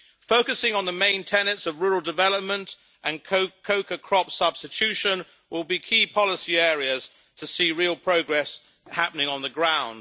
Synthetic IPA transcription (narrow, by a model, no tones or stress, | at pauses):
fəʊkəsɪ̃ŋə̃nðəmẽɪ̃ntʰɛnə̃tsəvɹuːɹəl̩ˠdɪvɛləp̚mə̃nt | ʔə̃nkʰʊkʰəʊkəkʰɹ̥ɒpsʌb̥stɪt͡ʃʰʉʃə̃n | wʔɪlˠbikʰiːpʰɒləsiɛːɹiəz̥ | tʰəsiːɹiəlˠpʰɹ̥əʊɡɹɛs | hapənɪ̃ŋə̃nðəɡɹãʊ̃nd̥